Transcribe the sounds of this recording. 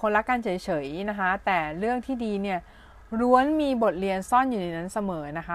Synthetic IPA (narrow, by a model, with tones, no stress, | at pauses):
o˧nla˦˥kːaː˧nt͡ɕʰɤː˩˦jt͡ɕʰɤː˩˦jna˦˥kʰa˦˥t̪ɛː˨˩ɾɯ˥˩əŋt̪ʰiː˥˩diː˧ni˥˩ɐ | ɾu˧˥ənmiː˧bo˨˩t̪̚li˧ənsɔ˥˩njuː˨˩na˧jna˦˥nsa˧mɤː˩˦na˦˥kʰa˦˥